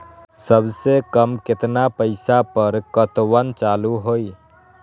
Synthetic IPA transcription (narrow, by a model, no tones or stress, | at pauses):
səbsekəmkɪt̪napəɪsapəɾkət̪wənt͡ʃaːluɦoːi